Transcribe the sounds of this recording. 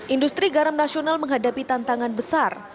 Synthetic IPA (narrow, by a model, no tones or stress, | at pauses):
ʔindust̪ɾiɡaɾamnasionalməŋɦadapit̪ant̪aŋanbəsar